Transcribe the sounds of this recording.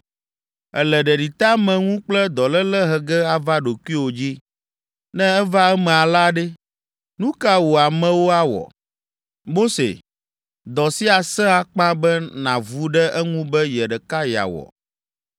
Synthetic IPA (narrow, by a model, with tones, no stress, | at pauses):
ɛ̰˨lɛ˨ɖɛ˨ɖi˨t̪a˦mɛ̃˨ŋũ˦k͡plɛ˦d̪ɔ˨lɛ˦lɛ˦ɦɛ˨ɡɛ˦a˨va˦ɖo˨ku˦i˦wo˨d͡ʑi˦ | nɛ̃˦ɛ˦va˦ɛ˦mɛ̃˨a˨la˦ɖɛ˦ | nũ˦ka˦wo˨a˨mɛ̃˨wo˦a˦wɔ̰˨ | mo˦sḛ˨ | d̪ɔ˨si˦a˨sɛ̃˦a˨k͡pã˦bɛ˦nã˨vu˦ɖɛ˦ʔɛ˦ŋũ˦bɛ˦jɛ˨ɖɛ˨ka˦ja̰˨wɔ̰˨